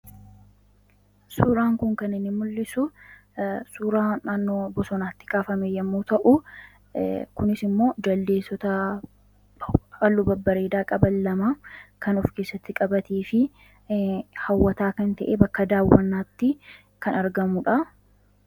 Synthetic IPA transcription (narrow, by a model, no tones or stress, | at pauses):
suːɾaːŋkʊŋkɐnɪnːɪmʊlːɪsʊ | suːɾaːnaːnːo̞ːbɔsɔnaːt̪ːɪ̥kaːfɐmejɐmːuːt̪ɐʔʊ | kʊnɪsɪmːo̞ːd͡ʒɐld̪e̞ːsːɔt̪ɐ | ɐlːʊbɐbːɐɾeːd̪aːkʼɐbɐlːɐmakɐnʊfke̞ːsːɐt̪ːɪkʼɐbɐt̪eːfɪ | hɐwːɐt̪aːkɐnt̪ɐʔebɐkːɐd̪aːwːɐnːaːt̪ːɪ | kɐnɐɾɡɐmʊᶑɐ